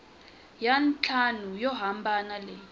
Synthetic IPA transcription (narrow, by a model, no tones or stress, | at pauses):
jant͡ɬʰanujɔɦambʱanalɛ